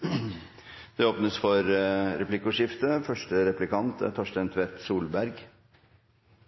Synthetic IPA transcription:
d̪̥ɛoːpnəsfɔɾɾɛplɪkːʊʂɪft̪əfœʂʈəɾɛplɪkɑnt̪t̪ʰɔʂʈ̪ɛnt̪ʰʋɛt̪suːlbæɾɡ

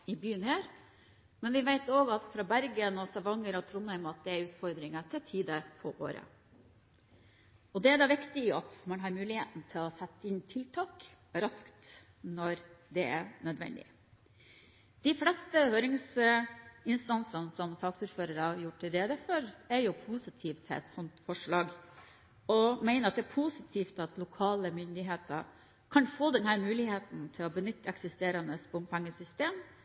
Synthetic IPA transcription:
ɪbyːənhæːɾ | mɛnʋɪʋæɪt̪oːɡɑt̪fɾɑbæɾɡənɔsɑʋɑŋːəɾɔt̪ʰɾʊnːæɪmɑt̪̚d̪ɛæɾʉːt̪fɔɾd̪ɾɪŋəʈ̪ʰɪlt̪ʰiːd̪əpʰɔʔo̰ːɾə̰ | ɔd̪ɛæd̪ɑʋɪkt̪ɪɑt̪mɑnɦɑɾmʉːlɪhḛːt̪n̩t̪ʰɪlɔsɛt̪ːəɪnt̪ʰɪlt̪ʰɑːk | ɾɑskt̪ | nɔɾd̪ɛæ̰ɾnœd̪ʋɛ̰nd̪ɪ̰ | d̪̥ɪflɛst̪əhøːɾɪŋs | ɪnst̪ɑnsɑnəsɔmsɑːksʉːɾføːɾəɾɑjʊʈʈɪld̪eːd̪æfɔɾæɾjʊpʰuːsɪt̪ʰiːft̪ʰɛ̰t̪sɔnt̪fɔʂɭɑːɡ | ɔmæɪnəɑt̪d̪ɛæːɾpʰuːsɪt̪ʰiːft̪ɑt̪lʊkʰɑːləmʏnd̪ɪɦeːt̪ʰɑ | kʰɑnfoːd̪ɛnhæːɾmʉːlɪheːt̪n̩t̪ʰɪlɔbənʏt̪ːəɛksɪst̪eːɾɑnəsbʊmpʰɛŋːəsʏst̪eːm

